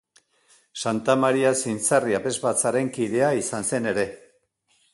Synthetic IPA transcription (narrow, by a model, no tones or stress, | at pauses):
sant̪amaɾiasint͡sariape̞zβat͡saɾe̞ŋkiðe̞aisanse̞ne̞ɾe̞